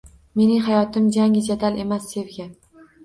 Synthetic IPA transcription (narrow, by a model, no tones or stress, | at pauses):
me̞nɪŋɦajɒt̪ɪmd͡ʒaŋʲɪd͡ʒad̪ale̞masːe̞vɡʲa